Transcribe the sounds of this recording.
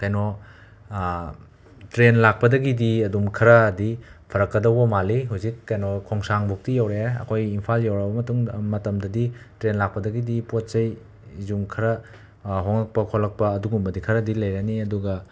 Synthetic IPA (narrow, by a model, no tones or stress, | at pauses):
kajno | tɾenlak̚pɐdɐɡidiɐdumkʰɐɾɐdipʰɐɾɐkːɐdɐwbɐmaliɦawzikːajnokʰoŋsaŋbok̚tijawɾeɐ̰kʰojimpʰaljawɾɐbɐmɐtuŋmɐtɐmdɐditɾenlak̚pɐdɐɡidipot̚sɐj | zumkʰɐɾɐ | ɦoŋɐk̚pɐkʰolɐk̚pɐːduɡumbɐdikʰɐɾɐdilɐjɾaniɐduɡɐ